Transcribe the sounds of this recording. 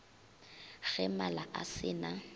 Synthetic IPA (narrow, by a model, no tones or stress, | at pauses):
ɣ̥ɛmalaʔasɪna